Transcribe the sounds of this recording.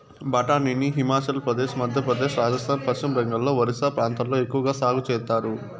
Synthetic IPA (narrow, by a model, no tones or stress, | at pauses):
bɐʈaːniniɦimaːt͡ʃɐlpɾɐd̪eːʃmɐd̪ʱjɐpɾɐd̪eːʃɾaːd͡ʒɐst̪ʰaːnpɐt͡ʃimbɐŋɡɐlːo̞ːʋɐɾisaːpɾaːnt̪ɐmlo̞ːekːuʋɐɡaːsaːɡut͡ʃɛːt̪ːaːɾu